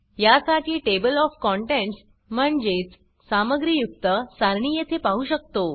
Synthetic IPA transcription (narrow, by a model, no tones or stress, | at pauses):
jasaʈʰiːʈebəlɔfkɔɳʈeɳʈs | m̤əɳd͡ʑet͡s | saməɡɾijuk̚t̪əsaɾɳiːjet̪ʰepaɦuɕək̚t̪o